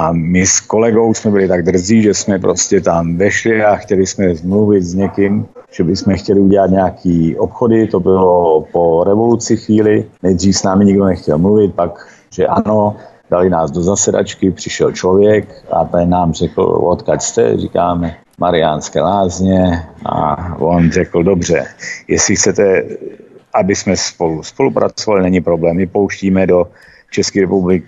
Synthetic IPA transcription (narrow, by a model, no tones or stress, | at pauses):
amɪsko̞lɛɡo̞wsmɛbɪlɪt̪aɡ̚d̪r̩ziːʒɛsmɛpɾoscɛt̪amvɛʃlɪaxcɛlɪsmɛzmluvɪt̪zɲɛkɪmʒ̥ɛbɪsmɛxcɛlɪuɟɛlat̪ɲɛakʰiːʔopxo̞dɪt̪o̞bɪlopoɾɛvo̞lut͡sɪxviːlɪnɛjd̪r̝iːfsnaːmɪɲɪɡdo̞nɛxcɛlmluvɪt̪̚pak | ʒ̥ɛʔa̰no | d̥alɪnaːzdozasɛda̰t͡ʃkɪpr̝̥ɪʃɛlt͡ʃlovjɛka̰t̪ɛɲnːaːmrɛkl̩̰o̰t̪kacst̪ɛ̰rḭkaːmɛ | maɾɪanskɛːlaːzɲɛʔa̰vonr̝ɛkl̩do̞br̝ɛjɛslɪxt͡sɛt̪ɛ | ʔabɪsmɛspoluspo̞lupɾʔa̰t͡sovalɪnɛɲɪpɾo̞blɛːmːɪpo̞wʃciːmɛdo̞ | t͡ʃɛskiːɾɛpublɪk